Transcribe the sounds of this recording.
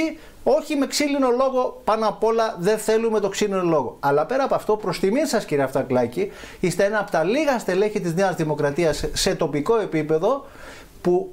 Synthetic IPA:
i | o̞çime̞ksilino̞lo̞ɣo̞pɐnɐpo̞lɐðe̞nθe̞lume̞t̪o̞ksilinolo̞ɣoɐlɐpe̞ɾɐːpoɐft̪o̞pɾo̞st̪iminsɐsciɾieɐft̪oɐklɐci | ist̪e̞enɐːpot̪ɐliɣɐst̪e̞le̞çit̪izneɐzðimo̞kɾɐt̪iɐsːe̞t̪o̞piko̞e̞pipe̞ðo̞ | pu

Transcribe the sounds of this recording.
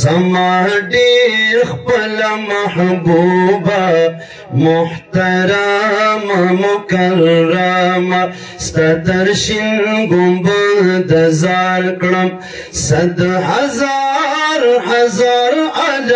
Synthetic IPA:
samɑɖeɾxpəlamahbuba | mʊht̪aɾamamʊkaɾːama | st̪ad̪aɾʃinɡʊmbəd̪azɑɾkɽəm | sad̪ɦazaɾhazaɾal

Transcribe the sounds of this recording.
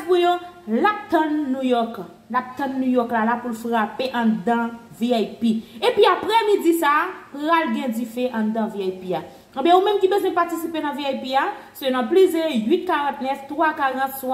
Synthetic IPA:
pujolap̚t̪ãnːujɔk | lap̚t̪ɐ̃nːujɔklalapulfʁapeʔãd̪ã | viajpiepiapʁɛmid͡zisapɣalɡɛ̃d͡zifeʔãd̪ãviajpia | ə̃bjɛ̃umɛ̃mkibezwɛ̃patisipenãviajpiasønãplizejɥit̪̚kaʁãt̪nɛft̪ʁwakaʁãt̪swa

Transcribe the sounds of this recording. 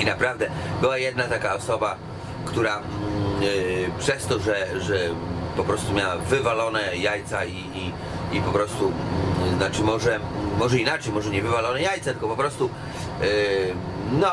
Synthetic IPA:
inapɾavd̪ɛbɘwajɛd̪nat̪akaɔsɔba | kt̪uɾa | pʂɛst̪ɔʐɛʐɛpɔpɾɔst̪umʲjawavɘvalɔnɛjajt̪saiː | ipɔpɾɔst̪unat͡ʂɘmɔʐɛmɔʐɛinat͡ʂɛjmɔʐɛɲɛvɘvalɔnɛjajt̪sat̪ɘlkɔpɔpɾɔst̪u | nɔ

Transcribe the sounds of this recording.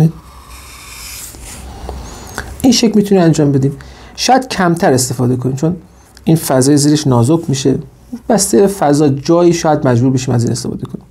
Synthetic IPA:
ʔinʃecʰmiːt̪ʰunimænd͡ʒɒːmbe̞d̪iːmʃɒːjæd̪̥cʰæmt̪ʰæɾe̞st̪e̞fɒːd̪e̞kʰonimt͡ʃʰon | iːnfæzɒːjeziːɾeʃnɒːzobʰmiʃe̞ | bæst̪ejefæzɒːd͡ʒɒːjiːʃɒːjæd̪mæd͡ʒbuːɾbeʃiːmæziːnest̪efɒ̰ːd̪e̞kʰonim

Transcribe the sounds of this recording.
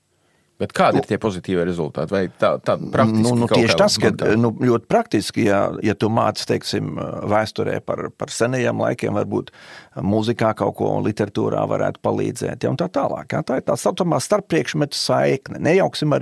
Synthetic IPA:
b̥ɛt̪kʰaːd̪iɾt̪iɛpozit̪iːviɛɾɛzṵlˠt̪a̰ːt̪vajt̪aːt̪aːpɾak̪niunuk̪ɛʃt̪askad̪nulʲuɔt̪ɪ̥pɾak̚t̪iskija̰jat̪uma̰ːt̪st̪ɛjksimvæːst̪uɾɛ̰ːpa̰ɾpaɾsɛnɛjeːmlˠa̰jkʲḛɛːmvaɾbṵːt̪muzikaːkaʊkṵɔṵnlˠit̪ʲɛɾat̪ṵːɾa̰ːʋa̰ɾʔæ̰ːt̪ʊ̥palˠḭːd̪zɛ̰ːt̪ja̰ʊ̰nt̪aːt̪aːlˠɑ̰ːkjat̪aːɪɾt̪aːsat̪ɔmaːst̪aɾpːɾiɛkʃmɛt̪ʲsajknɛnʔɛjaʊksimaɾ

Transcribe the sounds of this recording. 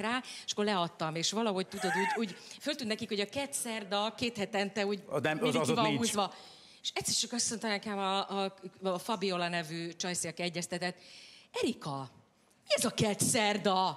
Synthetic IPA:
raːeʃɒ̥kːolɛɒt̪ːɒmeːʃʋɒlɒɦo̞c̚t̪ud̪o̞d̪uːɟuːɟfølt̪ynnɛkikho̞ɟɒkɛt̪sɛrd̪ɒkeːt̪hɛt̪ɛnt̪ɛuːɟɛmiivɒuːzvɒ | eʃɛt̪sːert͡ʃɒkɒst̪ːo̞nt̪ɒmɛkɛmɒːfɒbio̞lɒnɛvyːt͡ʃɒjsiɒkɛɟːɛst̪ɛt̪ɛt̪ːɛɾikɒ | miɛzɒkɛt̪sɛrd̪ɒ

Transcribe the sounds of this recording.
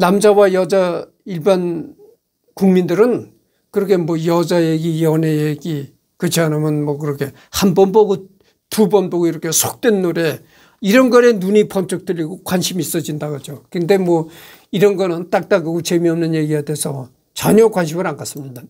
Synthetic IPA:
namd͡ʑawajʌd͡ʑa | iɭban | kuŋmindɯɾɯn | kɯɾʌkʰe̞mwʌjʌd͡ʑajeɡijʌnejeɡi | kɯt͡ɕʰianɯmjʌnmʌkɯɾʌkʰe̞ | hambʌnbʌɡo | tubʌnbʌɡoiɾʌkʰe̞sʰok̚t͈we̞nːoɾe̞ | iɾʌnɡʌɾe̞nuɲipʰʌmt͡ɕʰʌk̚t͈ɯʎːiɡokwanɕʰimiːs͈ʌd͡ʑindaɡʌd͡ʑokɯnde̞mwʌ | iɾʌnɡʌnɯnt͈ak̚t͈aɡɯɡut͡ɕʰemiʌmnɯnje̞ɡiɡadeesʰʌ | t͡ɕʌ̰ɲʌkwanɕ̬ʰimɯɾaŋkas͈ɯmɲida

